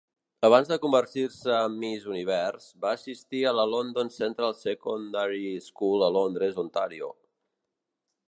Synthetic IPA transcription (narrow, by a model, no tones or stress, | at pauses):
əβ̞anzðəkumbərt̪irsəːmːizuniβ̞ɛrz̥baːsist̪iələlond̪onsent̪ɾalˠsəkund̪aɾiskulˠəlond̪ɾezont̪aɾio̰